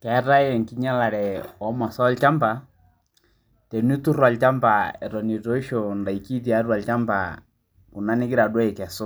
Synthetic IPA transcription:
kɛ˨˦ɾa˦jɛ˨ŋki˦ɲa˦la˨ɾɛ˨ɔ˦ma˨sɔ˦lt͡ʃa˦mba˨ | tɛ˨ni˦tu˦ɾwa˨lt͡ʃa˦mba˨ɛ˨ɾɔ˨ni˨tɔ˦i˦ʃɔ˨nda˨i˨ki˦t̬i˨a˨˦ɾwa˨lt͡ʃa˦mba̰ | ku˨na˦nɪ˦kɪ˦ɾa˨dwɛ˦i˨kɛ˨so˦

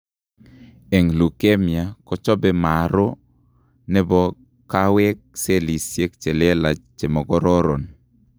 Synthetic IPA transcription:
e˨ŋlu˨ke˦mja˨kɔ˦t͡ʃɔ˦be˦ma˨ɾo˦ | nɛ˦bɔ˦ | ka˦wɛ˦k̚se˦li˨sje˦k̚t͡ʃe˨le˦la˨t͡ʃe˨mɔ˨ɡɔ˦ɾɔ˦ɾo˨n

